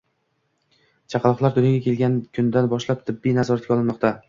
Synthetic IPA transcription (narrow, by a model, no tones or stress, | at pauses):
t͡ʃʰɑqɑlˠɒχlˠaɾd̪ʊnʲjaɡʲakʲʰe̞lɡʲankʲʰʊnd̪anbɒʃlap̚t̪ʰɪbːijnazɒɾat̪kʲaɒlˠɪnmɒqt̪ʰa